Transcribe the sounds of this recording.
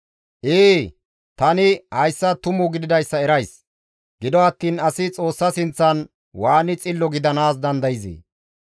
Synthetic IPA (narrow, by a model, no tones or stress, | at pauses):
ʔeː | t̪ɐnɪhɐjsːɐt̪ʊmʊɡɪd̪ɪd̪ɐjsːɐɛɾɐjs | ɡ̥ɪd̪ɔɐt̪ːiːnɐsɪt͡sʼo̞ːsːɐsɪnt͡sːɐn | waːnɪt͡sʼɪlːɔɡɪd̪ɐnaːs̬d̪ɐnd̪ɐjɪzḛː